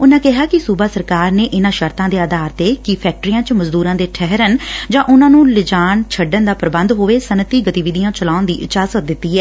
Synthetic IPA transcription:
ʊnãːkɪɦaːkɪsuːbaːsəɾkaːɾneːʔɪnãːʃəɾt̪ãːd̪eːaːd̪ʱaːɾt̪eːkipʰɛːk̚ʈəɾiːãːt͡ʃməzd̪uːɾãːd̪eːʈʰɛɦɾənd͡ʒãːʔʊnãːnũːlɪd͡ʒaːɳt͡ʃʰəɖənd̪aːpɾəbə̃nd̪ɦoːʋeːsənət̪iːɡət̪iːʋɪd̪ijãːt͡ʃəlaːʊnd̪ḭːɪt͡ʃaːzəd̪ɪt̪ːiːɦɛː

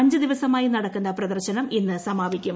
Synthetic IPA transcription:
ɐɲd͡ʑɨd̪iʋɐsɐmaːjinɐɽɐkːunːɐprɐd̪ɐrɕɐnɐminːɨsɐmaːʋikʲːum

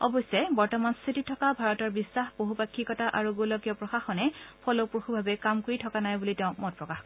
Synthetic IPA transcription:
ɔbɔsɔbɔɹtɔmanst̪ʰititʰɔkabʱaɹɔtɔɹbisːaxboɦupakʰːikɔtaʔaɹuɡolɔkijɔpɹɔxaxɔnɛpʰɔlopuxubʱabɛkamkoɹitʰɔkanajbulitɛʊ̃mɔt̚pɹɔkaxkɔ

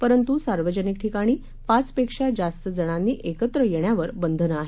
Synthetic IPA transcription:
pəɾənt̪usaɾʋəd͡ʑənik̚ʈʰikaɽ̃iː | pat͡spekʂad͡zast̪əd͡zəɽ̃anːiːʔekət̪ɾəjeɳjaʋəɾbənd̪ʱənəaɦe

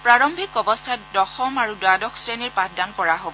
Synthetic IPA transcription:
pɹaɹɔmbʱikɔbɔstʰatdɔxɔmaɹudwadɔxʰsɹeniɹpatdankɔɹaɦobɔ

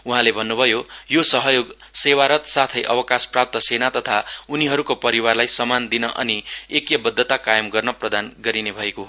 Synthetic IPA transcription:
uɦãlebʱʌnːubʱʌjojosʌɦʌjoɡ | sewaɾʌt̪sat̪ʰʌjʔʌ̰wʌkasprap̚t̪ʌsenat̪ʌt̪ʰauniɦʌɾukopʌɾiwarlajsʌmand̪inʌʔʌ̰niekjʌbʌd̪ʱːʌt̪akajʌmɡʌrnʌprʌd̪anɡʌɾinebʱʌeko

